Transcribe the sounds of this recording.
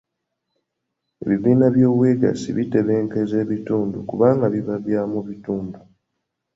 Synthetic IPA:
eβiðiːnaβjo̞ːβweːɡa̰sḭβite̞βe̞ːŋke̞ze̞ːβituːndukuβaːŋɡaβiβaβjaːmuβituːndu

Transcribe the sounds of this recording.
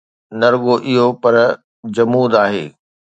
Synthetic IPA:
nɐɾɠoʔɪɦopɐɾ | d͡ʑɐmuːd̪aːɦḛː

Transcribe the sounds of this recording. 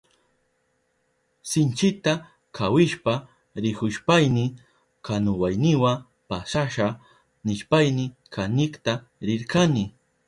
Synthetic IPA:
sɪnt͡ʃɪt̪a | kʰawɪʃpa | ɾɪkʊʃpajnɪ | kanʊwajnɪwa | paʃaʃa | nɪʃpajnɪkʰanɪkt̪a | ɾɪɾkanɪ

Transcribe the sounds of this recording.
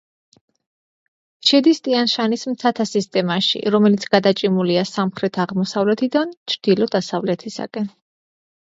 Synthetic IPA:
ʃɛd̪ist̪ʼianʃanismt̪ʰat̪ʰasist̪ʼɛmaʃḭɾɔmɛlit̪sʰɡ̥ad̪at͡ʃʼimuliasamχɾɛt̪ʰaʁmɔsavlɛt̪ʰid̪ant͡ʃʰɾd̪̥ilɔd̪asavlɛt̪ʰisa̰kʼɛn

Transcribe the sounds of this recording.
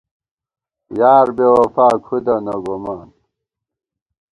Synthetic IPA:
jaːɾbewɐfaːkʰud̪ɐnɐɡomaːn

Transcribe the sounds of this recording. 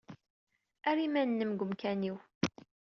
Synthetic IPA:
æɾimænːəmɡʷəmkæniw

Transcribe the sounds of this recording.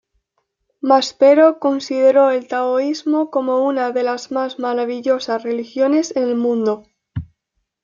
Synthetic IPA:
maspe̞ɾo̞ko̞nsið̞e̞ɾo̞e̞lt̪aoizmoko̞mo̞unaðe̞lazmazmaɾaβiʝo̞sasre̞lixjo̞ne̞senelmũnd̪o̞

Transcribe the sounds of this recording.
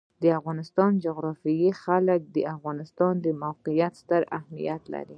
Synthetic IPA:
d̪əafɣɑnɪst̪ɑnd͡ʒʊɣɾɑfijixalək̚d̪əafɣɑnɪst̪ɑnd̪əmawqijat̪st̪əɾahmḭjat̪la̰ɾi

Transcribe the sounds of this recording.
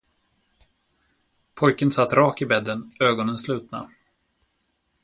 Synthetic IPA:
pʰɔjkənsat̪ːɾɑːkɪbɛd̪ːənøːɡɔnənslʉ̟ːt̪̚na̰

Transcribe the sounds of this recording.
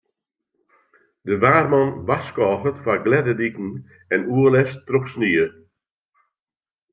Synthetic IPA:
dəʋaːrmɔnʋaskɔːɣətfaɡlɛdədikn̩ | ɛnuəlɛstrɔpsniə

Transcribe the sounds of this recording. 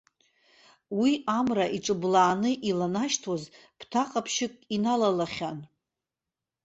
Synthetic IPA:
wiamraʔiʈ͡ʂʼɨblaːnɨʔilanaʃtʰoz | pʰtʰaqʼapʰʃɪkʼinalalaχʲan

